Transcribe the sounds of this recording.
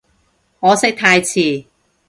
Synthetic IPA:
ŋɔː˨˧sɪ˥k̚t̪ʰaː˧jt͡sʰiː˨˩

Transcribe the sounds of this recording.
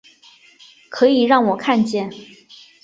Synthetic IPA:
kʰɤ˧˥i˨˩ɻɑ˥˩ŋwɔ˨˩kʰa˥˧nt͡ɕjɛ˥˩n

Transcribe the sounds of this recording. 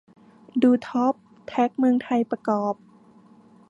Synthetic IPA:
duː˧t̪ʰɔ˦˥p̚ | t̪ʰɛ˦˥k̚mɯ˧əŋt̪ʰa˧jpɾa˧kɔː˨˩p̚

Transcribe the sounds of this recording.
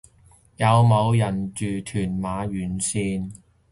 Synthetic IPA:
jɐ˨˧wmɐ˨˧wjɐ˨˩nt͡ʃyː˨t̪ʰyː˨˩nmaː˨˥jyː˨˥nsiː˥n

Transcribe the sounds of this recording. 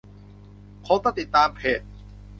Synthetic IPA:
kʰo˦˥t̪a˧˩t̪i˨˩t̪ːaː˧mpʰeː˨˩t̪̚

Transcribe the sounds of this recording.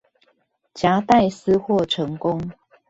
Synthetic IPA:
t͡ɕja˨˦t̪a˥˨ɪs̩˥˦xwɔ˥˨ʈ͡ʂʰɤ˨˦ŋkʊ˦ŋ

